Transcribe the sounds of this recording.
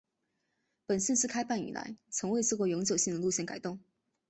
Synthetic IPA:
pə˨˩nɕə˥˧nʂɻ̩˥˩kʰa˥ɪpa˥˩ny̰˨˩la̰˧˥˦ɪt͡sʰɤ˧˥ŋwe˥˧ɪt͡s̩ʰ˥˧˩kwɔ˥˩jʊ˧˥ŋt͡ɕjo˨˩ʊɕi˥˩ŋd̪ə˩lu˥˧ɕjɛ˥˩nka˨˩ɪt̪ʊ˥˩ŋ

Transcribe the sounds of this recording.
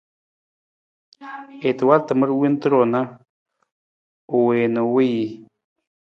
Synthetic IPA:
e˨t̪e˨wa˦lt̪ə˨m˦ɾwi˦nt̪ɾo˨na˦ | u˨we˨no˨wi˦ji˨

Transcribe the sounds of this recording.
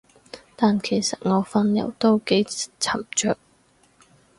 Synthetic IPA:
t̪aː˨nkʰe˨˩jsɐ˨t̚ŋɔː˨˧fɐ˧njɐ̰˨˩wt̪o˥wke˨˥jt͡sʰɐ˨˩mt͡ʃœː˧˨k̚

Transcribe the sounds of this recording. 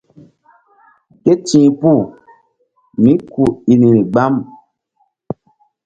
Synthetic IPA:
ke˦tĩː˨pu˦˨ | mĩ˨˦ku˨i˨ni˨ni˨ɡ͡ba˦m

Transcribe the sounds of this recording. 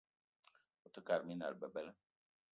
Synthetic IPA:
u˨tə˦ka˨ɾmi˦na̰˨lbə˨bɛ˦lə˦

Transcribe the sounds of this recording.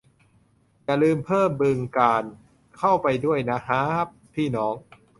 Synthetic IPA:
ja˨˩lɯː˧mpʰɤː˥˩mbɯ˧ŋkaː˧n | kʰa˥˩wpa˧jdu˥˩əjna˦˥ɦaː˦˥p̚t̪ʰiː˥˩nɔː˦˥ŋ

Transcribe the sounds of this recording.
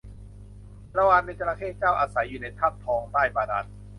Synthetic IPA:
ɾa˧waː˧nːa˧ka˧ɾaː˧kʰeː˥˩t̪̚t͡ɕaː˥˩wʔaː˧sa˩˦jːuː˨˩na˧jt̪ʰa˥˩p̚t̪ʰɔː˧ŋt̪aː˥˩jbaː˧da̰˦˥t̪̚

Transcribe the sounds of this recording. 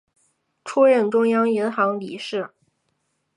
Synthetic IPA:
ʈ͡ʂʰu˥ɻə˥˩nʈ͡ʂʊ˥ŋjɑ˥ŋi˧˥nxɑ˧˥ŋli˨˩ʂɻ̩˥˩

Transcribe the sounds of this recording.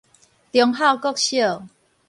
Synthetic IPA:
t̪jɔ˨˧˦ŋɦa˥˧˨wkɔ˥˦˨k̚ɕjo˥˨

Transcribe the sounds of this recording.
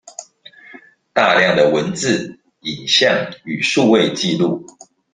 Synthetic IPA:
t̪a˥˧ljɑ˥˨ŋd̪ə˩wə˨˦nt͡sɹ̩˥˨ | i˨˩nɕjɑ˥˨ŋy˨˩ʂu˥˧we˥˨ɪt͡ɕi˥˧lu˥˨

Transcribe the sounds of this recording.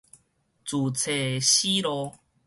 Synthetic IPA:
t͡su˨˩t͡sʰe˨˩ɕi˦lɔ˧

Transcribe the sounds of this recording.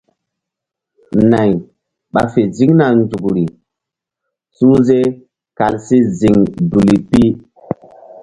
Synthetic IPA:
na˨j | ɓa˨fe˨zi˦ŋna˨nd͡zu˨kɾi˨ | su˦ze˦ | ka˨lsi˦zi˨ŋdu˨li˨pi˦

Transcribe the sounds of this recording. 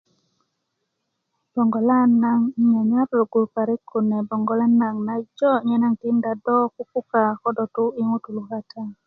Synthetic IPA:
b̥ɔ˨ŋɡɔ˨la˦nːa˦ŋɲa˨ɲa˦ɾlo˨ɡo˨pa˨ɾɪ˦kʰːo˨nɛ˨bɔ˨ŋɡɔ˨la˦nːa˨ŋna˨d͡ʒɔ˦ɲɛ˦na˦ŋtɪ˦nda˨dɔ˦ku˦pu˦ka˨kɔ˦dɔ˨tʊ˦i˦ŋo˦tu˨lu˨ka˦tʰa˦

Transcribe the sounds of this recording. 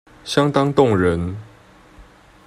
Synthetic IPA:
ɕjɑ˦ŋt̪ɑ˥ŋt̪ʊ˥˨ŋɻə˨˦n

